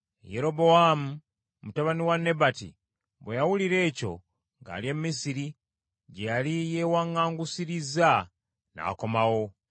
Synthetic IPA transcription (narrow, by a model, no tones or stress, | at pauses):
jeɾo̞bo̞amu | mutaβaniwanːe̞batḭ | βwejawuliɾe̞ːco̞ | ŋɡa̰ːlje̞mːisiɾi | ɟejalijewaŋːaːŋɡusiɾiza | na̰ːko̞mawo̞